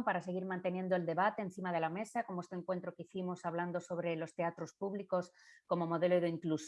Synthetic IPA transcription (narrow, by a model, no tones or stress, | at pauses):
mpaɾase̞ɣ̞iɾmãnt̪e̞nje̞nd̪o̞eld̪e̞βat̪e̞ːn̟θimað̞e̞lame̞sakomoest̪eŋkwe̞nt̪ɾo̞keiθimo̞saβland̪o̞so̞β̞ɾe̞lo̞st̪e̞at̪ɾo̞spuβliko̞s | ko̞mo̞mo̞ðe̞loðeiŋklus